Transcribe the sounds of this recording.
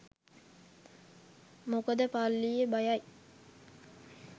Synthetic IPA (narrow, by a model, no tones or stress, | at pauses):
mokəd̪əpalːijəbajaj